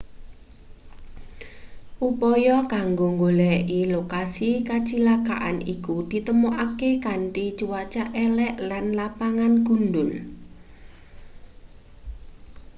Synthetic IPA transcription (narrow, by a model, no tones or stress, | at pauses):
ʔupɔjɔkaŋɡoŋɡolɛʔilokasikat͡ʃilaka̰ʔanḭkud̪̥i̤t̪əmoʔakekaɳʈit͡ʃuwat͡ʃaʔɛlɛʔlanlapaŋanɡ̥ṳnɖʊl